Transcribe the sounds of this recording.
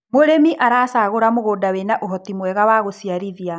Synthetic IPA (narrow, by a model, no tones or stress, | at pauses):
moɾemiʔaɾaːsaːɣoɾamoɣoːdawenaʔoɦɔtimwɛɣawaɣosiaɾiðia